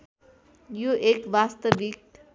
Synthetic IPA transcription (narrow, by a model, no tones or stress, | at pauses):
joʔekʋast̪ʌʋik̚